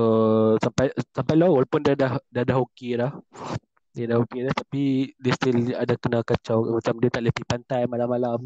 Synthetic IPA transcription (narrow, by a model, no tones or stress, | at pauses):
əsampajsampajlawalapʊndadahdiadaɦokelah | diadahokelaht̪apidɛst̪iladakənakat͡ʃawmat͡ʃamdiət̪aʔləpipant̪ajmalamːalam